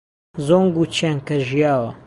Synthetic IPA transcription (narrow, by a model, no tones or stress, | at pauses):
zoːŋɡut͡ʃʰaŋkɐʒijaːwɐ